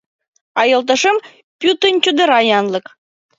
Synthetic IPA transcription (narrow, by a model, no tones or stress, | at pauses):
ɑjɤ̆lt̪̬ə̆ʃə̆m | pʲut̪ənʲt͡ɕud̪ə̆ɾɑjɑnlɤ̆k